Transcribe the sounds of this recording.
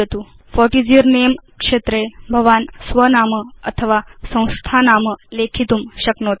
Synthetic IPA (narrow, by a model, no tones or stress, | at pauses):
et̪u | fɔɾʈid͡ʒiəɾnemkʂeːt̪ɾebʱəʋaːnsʋənaːməɐt̪ʰəʋasə̃w̃st̪ʰanaːməlekʰit̪umɕəknoːt̪